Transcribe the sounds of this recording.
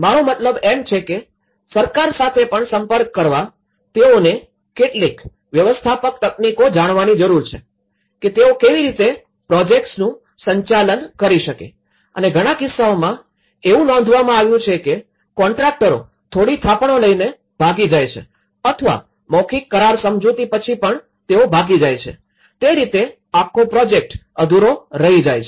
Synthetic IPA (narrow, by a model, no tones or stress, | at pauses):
maɽ̃omət̪ləbemt͡ʃʰeke | səɾkaɾsat̪ʰepəɳsəmpəɾkːəɾʋa | t̪eone | keʈlik | ʋjəʋəst̪ʰapəkt̪əknikod͡ʒaɽ̃ʋanid͡ʒəɾuɾt͡ʃʰe | ket̪eokeʋiɾit̪e | pɾɔd͡ʒek̚ʈsnũ | səɲt͡ʃalənkəɾiʃəkḛ | əneɡʱəɽ̃akɪsːaomã | eʋũnɔ̃nd̪ʱʋamãaʋjũt͡ʃʰeke | kɔɳʈɾak̚ʈəɾo̰ | t̪ʰoɽit̪ʰapɳoləine | bʱaɡid͡ʒajt͡ʃʰḛ | ət̪ʰəʋa̰ | mɔkʰikːəɾaɾsəmd͡ʒut̪ipət͡ʃʰipəɳ | t̪eobʱaɡid͡ʒajt͡ʃʰḛ | t̪eɾit̪e | akʰːopɾɔd͡ʒek̚ʈ | əd̪ʱuɾoɾəɦid͡ʒajt͡ʃʰe